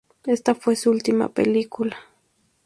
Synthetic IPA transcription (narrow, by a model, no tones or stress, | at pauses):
est̪apwesʊlt̪ɪma̰pḛlikʊla